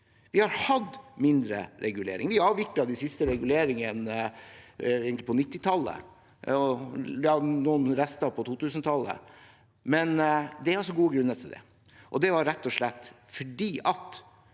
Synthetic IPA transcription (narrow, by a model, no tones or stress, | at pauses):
ʋɪhɑɾhɑd̪mɪnd̪ɾə̰ɾɛɡʉlḛːɾɪ̰ŋʋɪɑːʋʋɪklɑd̪ɪsɪst̪əɾɛɡʉleːɾɪŋən | eːɡŋklɪpʰɔnɪt̪ːɪt̪ʰɑlːə̰ | ɔjɑːnuːnɾɛst̪ɑpʰɔt̪ʰuːt̪ʉːsnət̪ʰɑlːə̰ | mɛnd̪ɛæɾɔs̬ɔɡuːəɡɾʉnːət̪ʰɪld̪ɛ̰ | ʔɔd̪ɛʋɑɾɾɛt̪ːɔʂɭɛt̪ː | fɔɖiːʔɑt̪